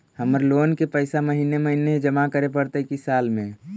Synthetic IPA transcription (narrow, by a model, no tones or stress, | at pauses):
həməɾloːnkepəɪsaməɦineməɦined͡ʒəmakəɾepəɽt̪əikisaːlmẽ